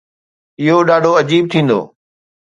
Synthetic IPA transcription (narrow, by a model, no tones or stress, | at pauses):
ɪɦoɗaːɖʱoɐd͡ʑiːb̚t̪ʰĩːn̆d̪o̰ː